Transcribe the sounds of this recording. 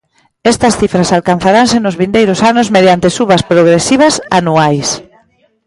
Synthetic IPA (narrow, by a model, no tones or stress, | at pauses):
ɛst̪ɐsθifɾɐsalkan̟θaɾaŋsenʊzβind̪ejɾʊsanʊzmeð̞jant̪esuβɐspɾoɣɾesiβ̞ɐsa̰nuajs